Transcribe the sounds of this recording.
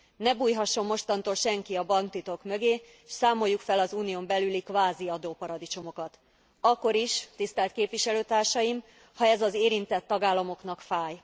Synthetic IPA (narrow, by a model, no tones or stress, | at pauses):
nɛbuːjɦɒʃːo̞mːo̞ʃt̪ɒnt̪oːlʃɛŋkiɒbɒŋkt̪it̪o̞kmøɡeː | ʃsaːmo̞jːukfɛlɒzuːnijombɛlylikʋaːziɒd̪oːpɒɾɒd̪it͡ʃo̞mo̞kɒt̪ | ɒkːo̞ɾiʃt̪ist̪ɛlt̪keːpʋiʃɛløːt̪aːrʃɒjim | hɒɛzɒzeːɾint̪ɛt̪ːɒɡaːlːɒmo̞kn̪ɒkfaːj